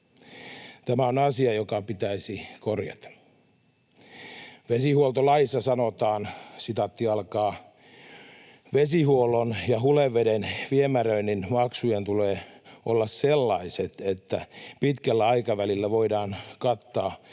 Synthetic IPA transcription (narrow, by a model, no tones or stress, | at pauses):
t̪æmæonɑsiɑjokɑpit̪æisikorjɑ̰t̪ɑ̥ | ʋesihuolt̪olɑjisːɑsɑnot̪ɑːnsit̪ɑt̪ːiɑlkɑː | ʋesihuolːonjɑɦuleʋːedenʋiemærøinninmɑksujent̪uleːolːɑsselːɑiset̪et̪ːæpit̪kælːæɑikɑʋælilːæʋoidɑːnkɑt̪ːɑː